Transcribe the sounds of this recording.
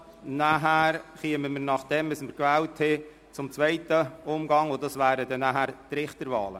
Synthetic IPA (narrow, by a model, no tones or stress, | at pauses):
næɦæːɾχiəməməɾnɑχd̥ɛmɪsməɾkʋæːlthɪ | t͡sʊmt͡svɛɪtəʊmɡɑŋodɑsvæːɾədɛnæɦæɾt̪ɾɪχtəɾvɑːlə̰